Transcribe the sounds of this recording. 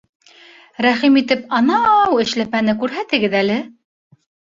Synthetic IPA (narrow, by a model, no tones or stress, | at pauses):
ɾæχimit̪ɘpɑnɑwɘ̆ʃlæpænɘkʉɾɦæt̪ɘ̆ɡɘðælɘ